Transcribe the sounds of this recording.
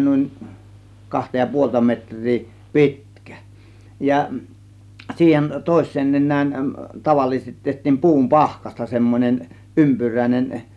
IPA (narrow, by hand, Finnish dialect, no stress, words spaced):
nuˑin kɑhtɑ jɑ puoltɑ metr̆ʲriː pi̞tkæ̥ jɑ siːhen toˑe̝sˑeːn nenˑæːn tɑʋɑlːisestit tehtˑiːm pu̞um pɑhkɑstɑ semːonʲen ympyræˑĭnʲen